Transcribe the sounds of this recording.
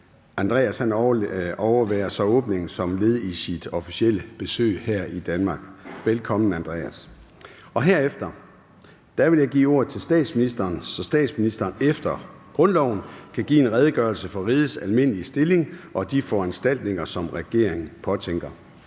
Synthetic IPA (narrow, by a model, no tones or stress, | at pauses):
ʔænd̥ʁɛ̰ːæshænɒʊɐʋæ̰ːɐsɒ̽ɔ̽ːb̥ne̝ŋ̩sɒ̽mle̝ð̞̩ˠisid̥ɒ̽fi̥siel̰əb̥e̝sø̰ːhæɐ̰id̥ænmɑ̈ːɡ̥ʋelkʰɒ̽mn̩ænd̥ʁɛ̰æs | ɒ̽ɦeɐ̰efd̥ɐ | d̥æʋe̝ljɑ̈ɪɡ̥ḭːo̝ɐ̰ð̩ˠt͡sʰe̝lsd̥ɛ̰ːd̥sminisd̥ɐːnsɒ̽sd̥ɛ̰ːd̥sminisd̥ɐːnefd̥ɐɡ̥ʁɔ̽nlɒʊ̰n̩kʰæɡ̥ḭːe̝nʁɛːð̞ˠɡ̥ɶɐlsəfɒ̽ʁiːðˠsælme̝n̰əliəsd̥e̝le̝ŋʔɒ̽d̥ifɒænsd̥æl̰d̥ne̝ŋɐsɒ̽mʁɛɡ̥e̝ɐ̰eŋ̩pʰɒ̽t͡sʰeŋ̰ɡ̥ɐ